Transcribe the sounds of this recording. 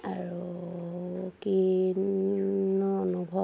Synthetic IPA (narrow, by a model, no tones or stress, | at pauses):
aɹu | ki | nɔɔnubʱɔ